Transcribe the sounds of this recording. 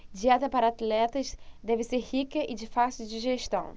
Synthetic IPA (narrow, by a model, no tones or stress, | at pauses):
d͡ʒiat̪ɐpaɾɐat̪lɛt̪ɐʃd̪ɛvɪseɾhikɐʔɪd͡ʒɪfasɪd͡ʒiʒeʃt̪ɐ̃w̃